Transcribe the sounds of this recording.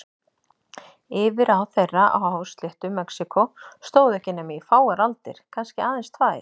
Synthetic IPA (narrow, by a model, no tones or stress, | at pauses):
ɪːvɪɾawθerːaa̰hawst̪lɪht̪ʏmɛksikʰɔst̪oːwðɛhcɪnɛːmifaːwaɾalt̪ɪ̰ɾ̥kʰanscɪaːðɪnst̪ʰvaːɪ̰